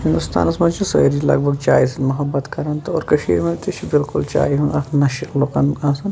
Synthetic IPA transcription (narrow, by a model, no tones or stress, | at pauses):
hind̪ust̪a̰ːnɐsmɐnt͡ʃʰisɐ̰ɾilɐ̰ɡ̚bʱɐɡt͡ʃaːisɐnmɐɦɐbːɐt̪kɐɾɐnt̪ɐoːɾkɐʃḭːɾmɐnt̪iʃʰibilkult͡ʃa̰ːiɦũnɐkʰnɐʃilokɐnaːsɐn